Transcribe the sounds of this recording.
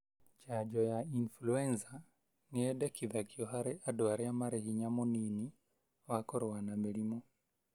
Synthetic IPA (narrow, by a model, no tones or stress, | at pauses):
t͡ʃad͡ʒɔjainfluɛnza | niɛɗɛkiðakiɔɦaɾɛʔadɔaɾɛamaɾɛhiɲamɔnini | wakɔɾɔwanamɛlimɔ